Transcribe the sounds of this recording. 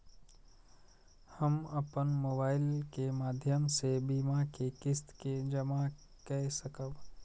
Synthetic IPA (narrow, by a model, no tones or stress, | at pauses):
həməpənmoːbaːɪlkemaːd̪ʱjəmsebiːmakekɪst̪ked͡ʒəma | kɛɦsəkəb